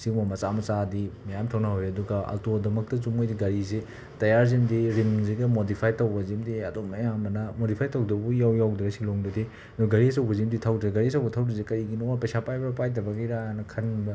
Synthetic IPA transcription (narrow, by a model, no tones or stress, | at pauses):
siŋmɐmɐsamɐt͡ʃadimɐjamtʰawnɐɦojɐduɡɐɐ̰ltodɐmɐk̚tɐt͡ʃumojdiɡɐɾize | tɐjaɾzimdiɾimziɡɐmodipʰajtɐwbɐzimdiɐ̰domnɐjamɐnɐmodipʰajtɐwdɐbujawjawdɾɐsiloŋdɐdi | doɡɐɾiɐsɐwbɐzimditʰawdɡɡɐɾiɐsɐwbɐtʰawdizekɐɾiɡinoapɐjsapajbɐɾɐpajdɐbɐɡiɾaanɐkʰɐnbɐ